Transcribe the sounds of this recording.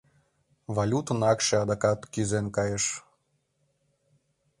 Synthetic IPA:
valʲut̪ənɑkʃeɑd̪ɑkɑt̪kyzenkɑjəʃ

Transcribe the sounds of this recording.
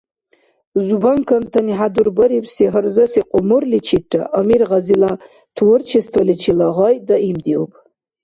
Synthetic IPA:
zubaŋkʰantʰaniħadurbɐɾipʰsiɦərzasiqʼʊmɨrlit͡ʃʰit̚ʈ͡ʂʰʼa̰ʔamirʁazila | tʰwʊrt͡ʃʰistʰalit͡ʃʰilaʁajdaʔimd̪iopʼ

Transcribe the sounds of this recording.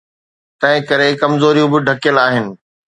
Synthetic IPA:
t̪ɐ̃ɦɪ̃kɐɾekɐmzoːɾijũbɪɖʱɐkjəlaːɦɪnɪ̆

